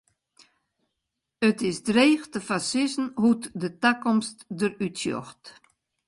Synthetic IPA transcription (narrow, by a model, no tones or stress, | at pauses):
ətɪsdreːxtəfasɪsn̩hutdətakɔmstdərytsjɔ̰xt